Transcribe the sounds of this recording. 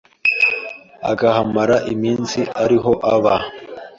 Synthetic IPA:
a̰ɡahamaɾaʔimiːnsiaɾiɦo̞ʔaβa

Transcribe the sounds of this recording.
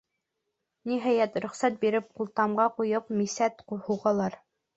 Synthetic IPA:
niɦɑjæt̪ɾɵ̆χsæt̪̚biɾɘp̚qulˠt̪ɑmɢɑqujɤp̚misæt̪quhuʁɑlˠɑɾ

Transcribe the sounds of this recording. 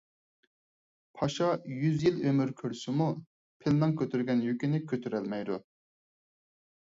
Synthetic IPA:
pʰɑʃɑjyzjilømyɾkʲʰøɾsɪmu | pʰɪlmɛŋkʲʰøt̪ʰyɾɡʲɛnjykʲinɪkʲʰøt̪ʰyɾɛlmɛjd̪ṵ

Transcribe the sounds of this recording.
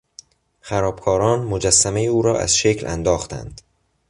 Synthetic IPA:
xæɾɒːb̥̚kʰɒːɾɒːnmod͡ʒæsːæme̞jeuːɾɒːʔæ̰z̥ʃecʰlʔæ̰nd̪ɒːxt̪ʰæ̰nd̪̥

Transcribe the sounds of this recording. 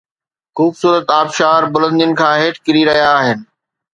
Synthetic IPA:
xuːbsuːɾət̪aːbʃaːɾbʊlə̃nd̪iənɪ̆kʰãːɦeːʈʰkɪɾiɾɐɦijaːɦɪnɪ̆

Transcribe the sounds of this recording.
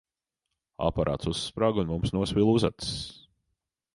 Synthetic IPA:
a̰paɾʔa̰ːt̪susːpɾaːɡunmumsnuɔspilˠuza̰t̪s

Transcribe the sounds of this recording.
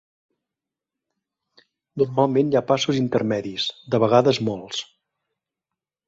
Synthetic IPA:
nurmalˠmenjapasuzint̪ərmɛðisd̪əβəɣ̞aðəzmolˠs

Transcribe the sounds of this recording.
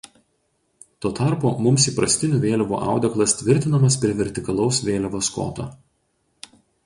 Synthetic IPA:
t̪oːt̪ɑˑɾpoːmʊmsiːpɾɐsʲt̪ʲɪnʲuːʋʲeːlʲɛʋṵːʔɑ̰ˑʊd̪ʲɛklˠɐst̪ʲʋʲɪɾʲt̪ʲɪnɐmɐspʲɾʲiɛʋʲɛɾʲt̪ʲɪkɐlˠɒʊsʋʲeːlʲɛʋoːsko̰ːt̪o̰ː

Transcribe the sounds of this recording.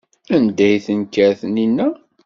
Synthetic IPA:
ænd̪æjθənkːæɾθəninːæ

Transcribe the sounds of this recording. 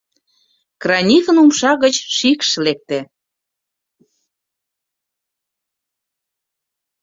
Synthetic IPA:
krɑnʲixənumʃɑɣət͡ɕʃikʃlek̚t̪e

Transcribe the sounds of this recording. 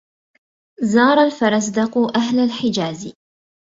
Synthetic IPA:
zɑːɾˤalfɑɾˤɑs̬d̪ɑqʊʔaɦlalħɪd͡ʒaːz

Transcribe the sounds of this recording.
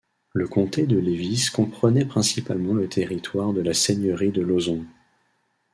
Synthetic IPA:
ləkɔ̃t̪ed̪əleviskɔ̃pχənɛpχɛ̃sipalmɑ̃lət̪ʰeʁit̪waʁd̪əlaseɲəʁid̪əlozɔ̃

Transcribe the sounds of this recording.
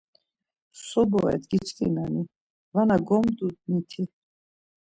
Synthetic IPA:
sɔbɔɛ̰d̪ɡit͡ʃʰk̪ʼḭnani | vanaɡɔmd̪ud̪nit̪ʰi

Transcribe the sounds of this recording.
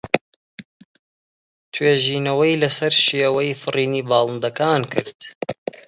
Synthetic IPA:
t̪ʰweːʒiːnɐwɐjlɐsɐɾʃijɛwɐjfɨriːniːbɑːlˠɨnd̪ɐkaːnkʰɨɾd̪̥

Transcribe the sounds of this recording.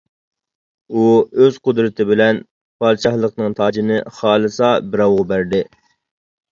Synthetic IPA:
uøzqʊd̪ɾɨt̪ʰɪbɪlɛn | pʰɑɾt͡ʃʰɑhlˠəqnɨŋt̪ʰɑːd͡ʒinɪχɑːlˠɨsɑbɪɾɑwʁʊbæɾd̪ɪ

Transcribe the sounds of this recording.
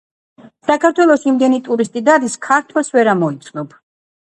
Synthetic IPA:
sakʰaɾt̪ʰwɛlˠɔsimd̪ɛnit̪ʼuɾist̪ʼid̪ad̪iskʰaɾt̪ʰwɛsvɛɾamɔit̪sʰnɔb̥

